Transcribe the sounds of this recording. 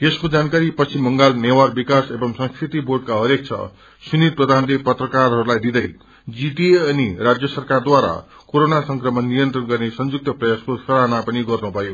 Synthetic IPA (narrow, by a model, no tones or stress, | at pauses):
eskod͡zankaɾipʌsimːʌŋɡalnewarbikasebʌmsʌ̃ŋskrit̪iborɖ̚kaɦʌɾek̚t͡sʰʌ̰ | sunid̪̚prʌd̪ʱanlepʌt̪rʌkarɦʌɾulajd̪id̪ʌj | d͡ziʈiʌnirad͡zjʌsʌrkard̪waɾa̰ | koɾonasʌŋkrʌmʌnːijʌnt̪rʌnɡʌrnesʌnd͡zuk̚t̪ʌprʌjaskosʰʌɾanapʌniɡʌrnubʱʌjo